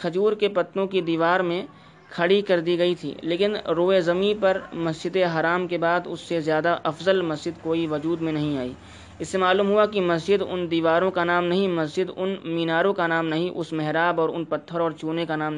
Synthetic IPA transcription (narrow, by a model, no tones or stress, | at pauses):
kʰɐd͡ʒuːɾkepɐt̪ːnõkid̪iːʋaːɾmẽ | kʰɐɽikɐɾd̪iɡɐit̪ʰḭːleːkɪnɾoːezɐmipɐɾmɐsd͡ʒɪd̪eɦaːɾaːmkebaːd̪ʊ̰sːezjaːd̪aʔɐfzəlmɐsd͡ʒɪd̪koːiʋɐd͡ʒuːd̪mẽnɐɦĩaːḭː | ɪsːemaːluːmɦʊakimɐsd͡ʒɪd̪ʊ̰nd̪iːʋaːɾõkanaːmnɐɦĩmɐsd͡ʒɪd̪ʊnmiːnaːɾõkanaːmnɐɦĩʔʊsmɛɦɾaːbɔːɾʊnpɐt̪ʰːəɾɔːɾt͡ʃuːnekanaːmn